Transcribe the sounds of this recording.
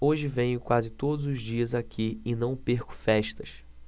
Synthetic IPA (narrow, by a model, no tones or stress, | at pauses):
oʒɪvẽj̃ʊkwazɪt̪od̪ʊzʊzd͡ʒiɐzakʰiɪnɐ̃w̃peɾkʊ̥fɛʃt̪ɐs